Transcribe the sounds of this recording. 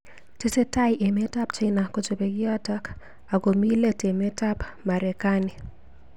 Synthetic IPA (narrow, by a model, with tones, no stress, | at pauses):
ti˦se˦ta˦jʔe˨me˦ta˦p̚t͡ʃi˦na˨ko˦d͡ʒo˨be˨ɡɪ˦ɔ˦ta˦k | a˨ɡo˨mi˦le˦te˨me˦ta˦pma˨ɾe˨ka˦nɪ˨